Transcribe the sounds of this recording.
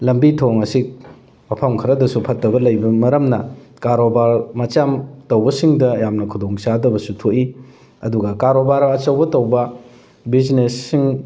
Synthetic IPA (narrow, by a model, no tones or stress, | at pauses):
lɐmbitʰoŋɐsik̚ | mɐpʰɐmkʰɐɾɐdɐsupʰɐtːɐbɐlɐjbɐmɐɾɐmnɐkaɾobaɾmɐt͡ʃamtɐwbɐsiŋdɐjamnɐkʰudoŋsadɐbɐsutʰoʔi | ɐduɡɐkaɾobaɾɐt͡ʃɐwbɐtɐwbɐ | bid͡ʒnesːiŋ